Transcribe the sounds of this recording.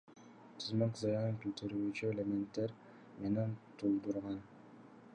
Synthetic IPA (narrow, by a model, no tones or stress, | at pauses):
t̪ʰɨzmɑkzɑjɑɑŋkʲylt̪ʰyɾyyt͡ʃyelement̪ːeɾ | menent̪ʰulˠd̪uɾʁɑn